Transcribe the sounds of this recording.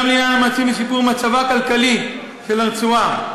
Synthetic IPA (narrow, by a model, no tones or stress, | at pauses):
mlianmat͡simisipuʁmat͡savakalkali | ʃelaʁt͡sua